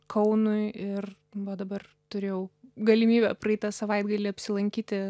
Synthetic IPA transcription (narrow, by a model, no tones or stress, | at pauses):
kʰɐʊnʊɪɪr | ʋɐd̪ɐbɐr | t̪ʊɾʲeːjɛʊɡɐlʲɪmʲiːbʲɛprɐɛɪt̪ɐsɐʋɐɪd̪ɡɐlʲɪɐpʲsʲɪlˠɐŋʲkʲiːt̪ʲɪ